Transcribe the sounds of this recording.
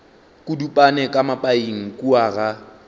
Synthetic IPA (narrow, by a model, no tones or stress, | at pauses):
kʼudupʼanɛkʼamapʼaiŋ̩kʼuaɣa